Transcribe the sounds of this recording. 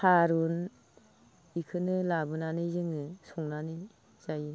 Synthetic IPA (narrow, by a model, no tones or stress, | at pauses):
haɾun | ikʰɯnɯlabɯnanɯzɯŋnɯsɔŋnanɯj | z̥ajɯ